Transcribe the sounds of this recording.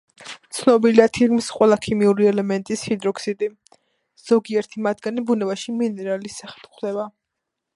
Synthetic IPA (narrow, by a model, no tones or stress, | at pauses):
t̪sʰnɔbiliat̪ʰilmsqʼwɛlˠakʰimiuɾiɛlɛmɛnt̪ʼishid̪ɾɔksit̪ʼi | z̥ɔɡiɛɾt̪ʰimad̪ɡanibunɛvaʃiminɛɾalisaχɛ̥lχd̪ɛba